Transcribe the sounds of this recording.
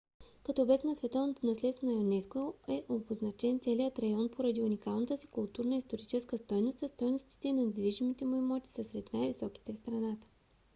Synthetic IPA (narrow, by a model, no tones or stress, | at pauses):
kɐt̪ɔːbɛk̪nɐsvɛt̪ɔvnot̪onɐslɛt̪st̪vənɐjonɛskoɛʔoboznɐt͡ʃɛnt̪sɛlijət̪ɾɐjɔnpʰoɾɐd̪iunʲikalˠnət̪əsi̥kʊlˠt̪uɾnəist̪oɾit͡ʃɛskəst̪ɔjnost̪ɐst̪ɔjnost̪i̥t̪ɛinɐnd̪viʒimit̪ɛmʊimɔt̪ʲi̥sɐsɾɛt̪najvisɔki̥t̪ɛfst̪ɾɐnat̪ə̥